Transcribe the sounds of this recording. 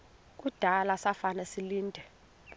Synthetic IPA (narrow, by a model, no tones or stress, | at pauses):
k̬ʼud̥ʱalasafanɛsiliːndʱɛ